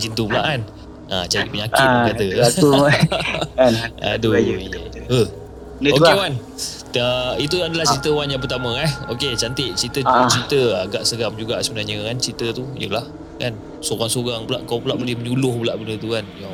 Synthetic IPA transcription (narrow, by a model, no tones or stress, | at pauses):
d͡ʒint̪ubəlaʔan | at͡ʃaiʔ̚pəɲakkat̪əu | a̰du | əh | okewan | əit̪uadalaht͡ʃit̪əwanjaŋpət̪amə̃aoket͡ʃant̪ɪʔ̚t͡ʃit̪ət͡ʃit̪əəɡaʔsəɡamd͡ʒuɡaʔsəbənahɲəkant͡ʃit̪ət̪ujəlah | ka̰n | soɡaŋsoɡaŋbəlaʔkawpəlaʔbəlɪhməɲulʊhbəlaʔbənət̪ukanjaŋ